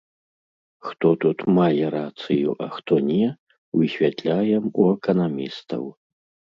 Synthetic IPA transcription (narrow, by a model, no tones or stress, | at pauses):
xt̪ɔt̪ut̪majɛɾat̪sɨjuʔɐxt̪ɔnʲɛ | wɨxʲvʲat̪lʲajɛmuɛkɐnamʲist̪ɐ̰w